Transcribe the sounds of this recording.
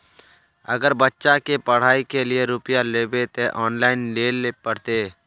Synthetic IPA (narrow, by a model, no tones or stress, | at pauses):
ə̰ɡəɾbətːʃakepəɽ̤aːikelɪeɾʊpjaleːbet̪eʔɔːnlaːɪnleːlepəɽ̤t̪eː